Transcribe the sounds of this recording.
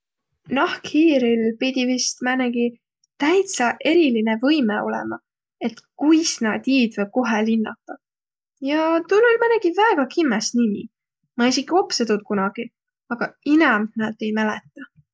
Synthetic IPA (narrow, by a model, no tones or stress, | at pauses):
nɑhkhiːɾilpid̪̥ʲivist̪mæneɡ̥i | t̪æjt̪sɑʔe̞ɾilinevɤjmeo̞̰lɛ̰mɑ | e̞t̪kujsnɑd̪̥iːd̪̥vb̥̚ko̞ɦelinːɑ̰t̪ːˑɑ | jɑt̪ulolmæneɡ̥ivæeɡ̥ɑkimːesnimḭ | mɑisikːˑio̞pset̪ut̪̚kunɑɡ̥i | ɑɡ̥ɑinɑmnɑd̪̥e̞jmælet̪ːˑɑ